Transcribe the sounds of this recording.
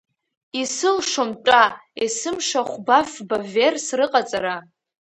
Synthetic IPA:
isɨlʂomʈ͡ʂʷʼaesɨmʂaχʷbafbaversrɨqʼat͡sʼaɾa

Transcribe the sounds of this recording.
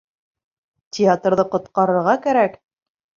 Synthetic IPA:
tʲʰɪat̪rðɤqŏt̪qɑɾɤ̆ɾʁɑkæɾæk

